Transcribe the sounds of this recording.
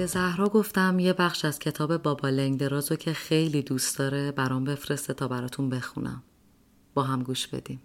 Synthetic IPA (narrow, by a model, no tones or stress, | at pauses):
b̥e̞zæhɾɒːɡo̞ft̪æmje̞bæχʃæz̥cʰe̞t̪ʰɒːbe̞bɒːbɒːleŋd̪e̞ɾɒːzocʰe̞xejlid̪uːst̪d̪ɒːɾebæɾɒmbe̞fɾe̞st̪et̪ʰɒːbæɾɒːt̪ʰunbe̞xṵnæ̰m | b̥ɒːɦæmɡuːʃb̥e̞̰d̪im